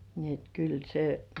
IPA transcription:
ni et kyl se

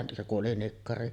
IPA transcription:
se kuʔ ʔoli nikːɑri

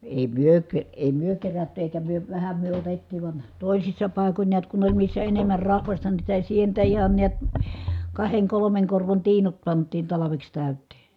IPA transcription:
eˑi myø ke eˑi myø kerætːy eˑikæ myø ʋæhæ myø otetːiˑ ʋɑn toˑisisːɑ pɑˑekonʲ niæt kun olʲ misːæ enemːær rɑhʋɑstɑ niː sitæ sientæ ihɑn̞ niæt kɑheŋ kolomeŋ korʋon tiːnut pɑntˑiːn tɑlɑʋeks tæˑytˑeː

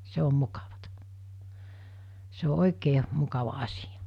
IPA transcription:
se om mukɑʋɑtɑ̥ se o ʔoikeː mukɑʋɑ ɑsi̥ɑ̥

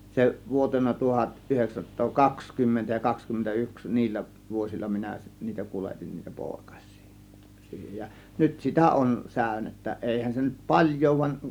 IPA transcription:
se ʋuotenɑ tuhɑt ʔyheksænsɑtˑoː kɑkskymːentæ jɑ kɑkskymːentæ yks niːlːæ ʋuosilːɑ minæ niːtæ kuletin niːtæ poˑe̝kɑsˑi̥ː siːhej jɑ nyt sitæ ʔon sæˑø̝netːæ eˑihæn se nyt pɑlʲjo ŭʋ ʋɑn

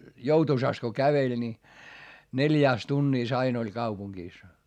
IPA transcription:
joutusɑst ko kæʋelʲ ni neljæˑs tunːiˑs ɑin olʲ kɑupuŋɡ̊iːs

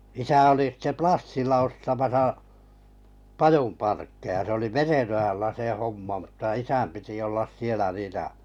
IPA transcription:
isæ oli sĭtːe plɑsːilːɑ ostɑmɑsɑ pɑjum pɑrkːejɑ se oli merenojɑlːɑ se mŭtːɑ isæm piti olːɑs sielæ niːtæ

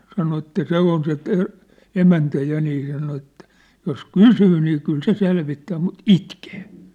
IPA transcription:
sɑno etːæ se on se te emæntæ jɑ niː sɑno etːæ̥ jos kysyː niː kyl se selʋitːæː mut itkeː

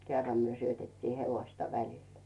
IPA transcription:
kerːɑm myø syøtetːiː heʋoĭstɑ ʋælil

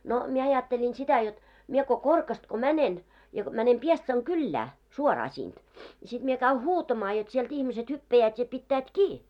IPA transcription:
no mie ɑjɑtːelʲin sitæ jot mie ko korkɑst ko mænen jɑ mænem piestsɑŋ kylːæː suorɑː sind̥ jɑ sit mie kæy huːtɑmɑː jot sielt ihmiset hypːæjæːt jɑ pitːæːt kiː

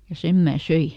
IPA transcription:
jɑ sem mæː søi

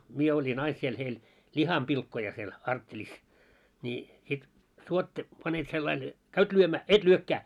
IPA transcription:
mie olʲin ɑis siel heil lʲihɑmpilkːojɑ siel ɑrtːelis nʲi sit suotːɑ pɑnet selːɑil jɑ kæyt lyømæː et lyøkːæː

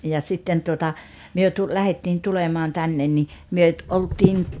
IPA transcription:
jɑ sitːen tuotɑ myø tu læhetːiːn tulemoɑn tænːen ni myø t ʔoltˑiːn

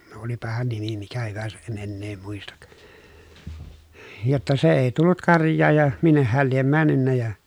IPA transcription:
no olipɑ heæn nimi mikæ hyʋæsæʔ ʔen enːeː muistɑk jotːɑ se eˑi tulːut kɑrjˑɑːj jɑ minːeh heæl liem mænːynːæ jɑ

